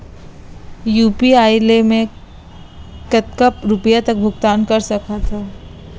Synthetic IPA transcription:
juːpiaːjlemẽ | kɐt̪kəpɾʊpəjat̪ɐk̚bʱʊɡt̪aːnkɐɾsɐkʰat̪ʰaː

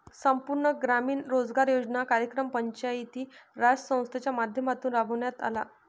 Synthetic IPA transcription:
səmpuɾɳəɡɾamiːnɾod͡zɡaɾjod͡znakaɾjəkɾəmpəɲt͡ɕajit̪iːɾad͡zsə̃w̃st̪ʰet͡ɕjamad̪ʱjəmat̪uːnɾabʱəʋɳjat̪a̰la̰

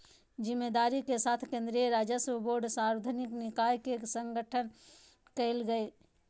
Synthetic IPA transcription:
d͡ʒimːed̪aɾikesat̪ʰkẽnd̪ɾiəɾad͡ʒjəsoboɾɖsãɾed̪ʱəniknikajkesəŋɡəʈʰən | kəɪlɡəe

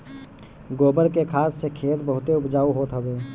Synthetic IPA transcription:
ɡoːbəɾkekʰaːsːekʰeːt̪bəɦʊt̪eʊpd͡ʒaːuɦoːt̪ɦəʋeː

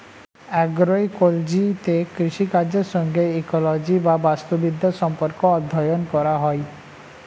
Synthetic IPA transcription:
ɛɡɾojkold͡ʑit̪ekɾiʃikaɾd͡ʑeɾʃɔŋɡeikolod͡ʑibabast̪obid̪ʱːaʃɔmpoɾkoɔd̪ʱːɔjonkɔɾaɦɔe

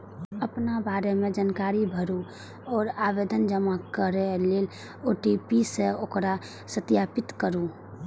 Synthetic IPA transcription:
əpnabaːɾemẽd͡ʒənkaːɾibʱəɾu | ɔːɾaːʋeːd̪ənd͡ʒəmakəɾeleːl | oʈipiseokɾa | sət̪jaːpɪt̪kəɾũ

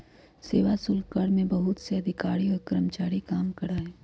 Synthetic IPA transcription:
seːʋasʊlkəɽmẽbɐɦʊt̪seɐd̪ʱɪkaːɾiɔːɾkɾəmt͡ʃaːɾikaːmkɐɽaɦɛː

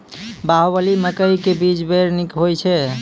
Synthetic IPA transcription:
baɦobəliməkəjkebid͡ʒbeɾnikɦojt͡ʃʰɛ

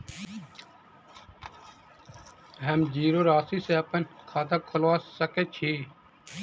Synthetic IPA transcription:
ɦəmd͡ʒiːɾoːɾaːsiːseːpənkʰaːt̪akʰolaːssəkeːt͡ʃʰiː

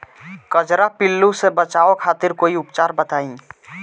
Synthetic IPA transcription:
kəd͡ʒɾapɪlːusebət͡ʃaːokʰaːt̪ɪɾkoːiʊpt͡ʃaːɾbət̪aːĩ

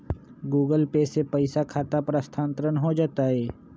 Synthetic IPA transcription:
ɡuːɡəlpeːsepəɪsakʰaːt̪apɾəst̪ʰãːnt̪əɾənɦod͡ʒaːt̪aɦɛː

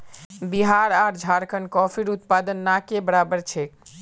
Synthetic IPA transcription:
biɦaɾaɾd͡ʒʱaɾkʰənkɔpʰiɾut̪̚pad̪ənːakebəɾabəɾt͡ʃʰek

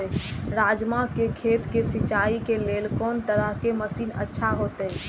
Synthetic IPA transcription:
ɾaːd͡ʒmakekʰeːt̪kesit͡ʃaːikeleːlkɔːnt̪əɾəɦkeməsiːnə̰tːʃʰaɦot̪ɛ

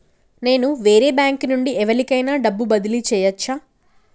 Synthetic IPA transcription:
ne̞ːnuʋeːɾeːbjaːŋknuɳɖiɛʋɐlikɐjnaːɖɐbːubɐd̪ilit͡ʃɛːjɐt͡ʃːaː

